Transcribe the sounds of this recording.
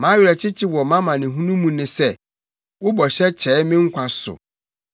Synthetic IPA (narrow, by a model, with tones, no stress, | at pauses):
mã˨˦ɥɾɛ˨t͡ɕʰɪ˦t͡ɕʰɪ˦wɔ˨mã˦mã˨nɪ̃˨ɦũ˦nũ˦mũ˨nɪ̃˦sɛ˦˨ | wʊ˦bɔ˨ɕɛ˦t͡ɕʰɛː˨˦mɪ̃˦ŋ̩˦kʷʰa˨sʊ̰˨